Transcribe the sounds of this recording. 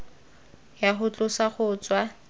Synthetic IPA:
jaχʊt͡ɬʼʊsaχʊːt͡swa

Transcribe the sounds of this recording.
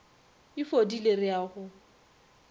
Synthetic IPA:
ɪfodilerɪjaːχʊ

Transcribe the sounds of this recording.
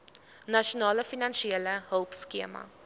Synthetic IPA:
nɐʃiunɑːləfinɐnʃieləɦəlˠpskiəmɐ̰

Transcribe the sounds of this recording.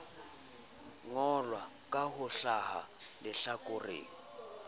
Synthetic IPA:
ŋɔlwa | kʼahʊɬaha̰lɪɬakʼʊrḛːŋi

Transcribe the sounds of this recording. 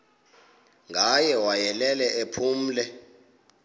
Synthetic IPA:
ŋʱajɛwajɛlɛlɛʔepʰuːm̩ːlɛ

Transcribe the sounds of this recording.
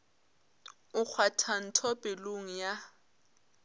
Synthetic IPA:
ʊk͡xʰwatʰan̩tʰɔpʼeloŋ̩ja

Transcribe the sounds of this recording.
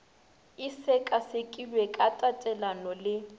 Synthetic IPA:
ɪsɛkʼasekʼilwɛkʼatʼatʼɛlanɔlɪ

